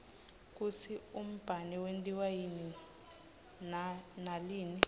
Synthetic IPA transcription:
k̬ʼut͡sʰium̩b̥ʱanɛwentʼiwajini | naliːni

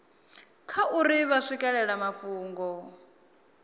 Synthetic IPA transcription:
kʰaʔuɾiβaʂikʼɛɺɛɺamaɸuːŋɡɔ

